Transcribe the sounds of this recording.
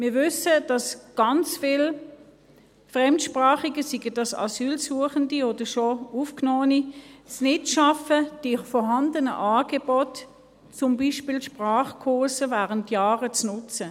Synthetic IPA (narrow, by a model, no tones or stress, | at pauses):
mɪːɐvʏsəd̥ɑsɡ̥ɑnt͡sfɪl | fʁɛmtʃpʁaːχiɡəsiɡədɑsɑ̰syːlsuəχəndiod̥əʃoufknɔːənisnɪtʃɑfəd̥ifɔɦɑndənəʔɑːɡ̥ɛbɔt | t͡sʊmbiʃpilʃpʁaːχkʰoːsəvæːʁəntjaːʁət͡snʊt͡sə